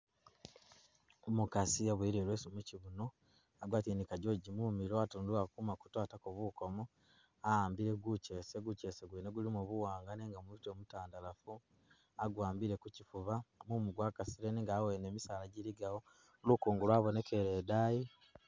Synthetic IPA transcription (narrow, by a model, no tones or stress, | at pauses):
omukasiaβweɾeɾwesumuciβuno | aɡwaːtinikaɟoɟimumiɾwatonduakumaku̥twaːtakoβuko̞mo | aaːmbiɾeɡuce̞seɡuce̞ːseɡweneɡulimuβuwaːŋɡaneːŋɡamuitemutaːndalafu | aɡwaːmbiɾe̞kucifuβamumuɡwaːkasiɾeniŋɡaːweneːmisaːlaɟiliɡawo | lukuːŋɡulwaːβo̞nekeɾeːdaːji